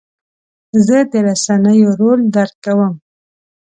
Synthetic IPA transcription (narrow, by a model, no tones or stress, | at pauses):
zəd̪əɾasanəjoɾold̪aɾkawəm